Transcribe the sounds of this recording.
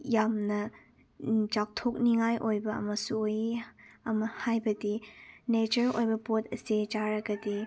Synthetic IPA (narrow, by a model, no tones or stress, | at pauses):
jamnɐ | d͡ʒak̚tʰok̚niŋajʔojbɐɐ̰mɐsuojɐmɐhajbɐdinet͡ʃɐɾojbɐpotʰɐsid͡ʒaɾɐɡɐdi